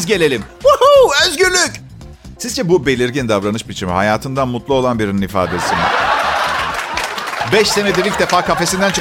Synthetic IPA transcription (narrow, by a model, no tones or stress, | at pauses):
zɟe̞lʲe̞lʲim | uhuøzɡyɾlʲyc | sizd͡ʒɛbube̞lʲiɾɟind̪avɾanɯʃbit͡ʃʰimḭha̰jaːt̪ʰɯnd̪anmut̪lˠuo̞lˠanbiɾininifa̰ːd̪esinḭ | bɛʃse̞ned̪iɾilʲc̚d̪e̞faːkʰafe̞sind̪ænt͡ʃʰ